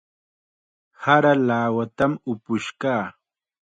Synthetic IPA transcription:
haɾalaːwat̪amʊpʊʃkaː

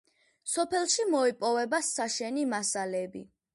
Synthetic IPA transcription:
sɔpʰɛlˠʃimɔipʼɔvɛbasaʃɛnimasalɛbḭ

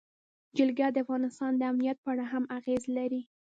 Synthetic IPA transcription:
d͡ʒɪlɡjɑd̪əafɣɑnɪst̪ɑnd̪əamnijat̪̚pəaɽaɦamaɣezlaɾi

